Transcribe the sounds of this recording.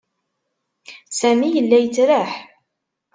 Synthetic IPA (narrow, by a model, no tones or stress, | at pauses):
sæmijəlːæjət͡sːɾəħ